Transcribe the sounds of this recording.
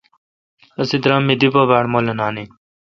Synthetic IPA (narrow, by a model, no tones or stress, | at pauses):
ɐsid̪ɾamːid̪ipɐbaːɽmolɐnaːni